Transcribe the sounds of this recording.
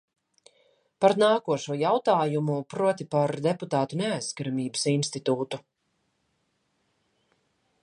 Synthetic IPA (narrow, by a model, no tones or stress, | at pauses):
paɾnaːkuɔʃuɔjawt̪aːjumupɾuɔt̪ipaɾd̪ɛput̪aːt̪unɛajskaɾamiːbəsinst̪it̪uːt̪u